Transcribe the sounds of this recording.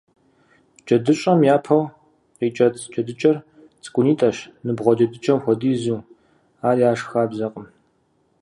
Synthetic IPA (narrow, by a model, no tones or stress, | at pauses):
d͡ʒɐdɨɕʼɐmjaːpʰɐw | qiːt͡ʃʼɐt͡sʰd͡ʒɐdɨt͡ʃʼɐr | t͡sʼɨ̥kʷʼʊniːtʼɐʃnɨbʁʷɔd͡ʒɐdɨt͡ʃʼɐmxʷɔdiːzuː | aːrjaːʂxaːbzɐqʼəm